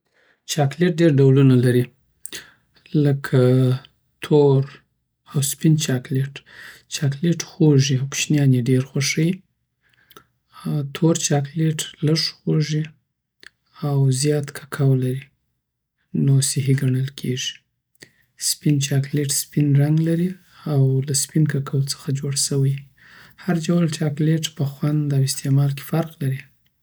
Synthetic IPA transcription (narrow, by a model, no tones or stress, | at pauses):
t͡ʃɑkleʈ̚ɖeɾɖawlunalaɾi | ləkʰa | t̪ʰoɾ | awspint͡ʃɑkleʈt͡ʃɑkleʈxoʐiawkʃnjɑneɖeɾxwaʂəj | t̪ʰoɾt͡ʃɑkleʈləʐxoʐi | awzjɑt̪kʰḁkʰawlaɾi | nosɪɦiɡaɳəlkʰeʐi̥ | spint͡ʃɑkleʈspinɾaŋɡlaɾi | awlaspinkakawt͡sə̥xad͡ʒoɽsəwəj | haɾd͡ʒawalt͡ʃɑkleʈpəxwand̪awɪst̪ʰemɑlke̥faɾqlaɾi